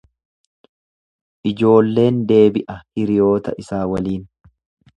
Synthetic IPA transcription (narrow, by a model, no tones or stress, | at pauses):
ʔɪd͡ʒo̞ːlːe̞ːnd̪e̞ːbɪʔɐhɪɾɪjo̞ːt̪ɐʔɪsaːwɐliːn